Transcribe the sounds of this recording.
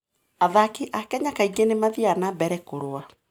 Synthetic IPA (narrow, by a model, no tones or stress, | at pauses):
aðakeʔakɛɲakaiɡenemaðianabɛɾɛkoɾoa